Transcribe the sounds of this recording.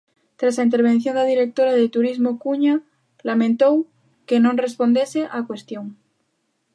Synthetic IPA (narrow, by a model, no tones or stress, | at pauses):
t̪ɾasaint̪̬eɾβ̞e̞n̟θjo̞naðiɾe̞k̚t̪o̞ɾaðet̪uɾizmokuɲa | lamẽnt̪o̞w | ke̞nonre̞spo̞nd̪eseʔakwe̞st̪joŋ